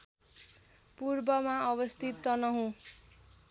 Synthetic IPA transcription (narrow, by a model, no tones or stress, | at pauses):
purbʌmaʌβʌst̪ʰit̪ːʌnʌɦũ